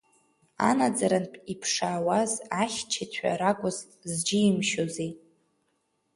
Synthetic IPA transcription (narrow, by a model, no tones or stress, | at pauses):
a̰nad͡zaɾanpʼipʰʂaːwazaχʲt͡ʃʰat͡sʷʰa̰ɾakʷʼʊz | zd͡ʒɪimʃozej